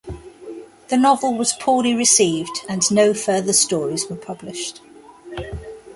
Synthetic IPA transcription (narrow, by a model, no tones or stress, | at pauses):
ðənɒvəlˠwɒz̥pʰɔːliɹɪsiːvdə̃nːəʊfɜːðəstɔːɹizwəpʰʌblɪʃt